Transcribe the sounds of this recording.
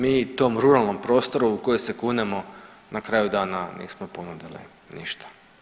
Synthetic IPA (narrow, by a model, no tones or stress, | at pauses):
miːt̪o̞ːmɾuɾalˠno̞mpɾo̞st̪o̞ɾuukojojsekunemo̞ | nakɾaːjud̪aːnanḭːsmoponud̪ilḭ | nḭʃt̪ḁ